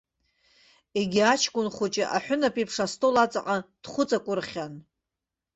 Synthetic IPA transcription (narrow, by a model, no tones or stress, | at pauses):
eɡʲiat͡ʃʰkʷʼʊnχʷʊt͡ʃʼɪʔa̰ħʷᶣʊnapʼipʰʂastʰʼolat͡sʼaqʼad̥χʷʊt͡sʼakʷʼʊrχʲan